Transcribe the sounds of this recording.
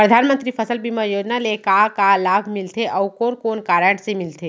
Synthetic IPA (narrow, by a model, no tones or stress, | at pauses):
pɾəd̪ʱaːnmə̃nt̪ɾipʰəsəlbʱiməjoːd͡ʒnalekakalaːbʱmɪlt̪ʰeʔɔkoːnkoːnkaːɾəɳʈsemɪlt̪ʰe